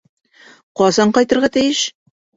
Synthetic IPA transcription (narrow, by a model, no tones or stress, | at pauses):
qɒzɑɴqɒjt̪ɤ̆ɾʁɑt̪ijɘʃ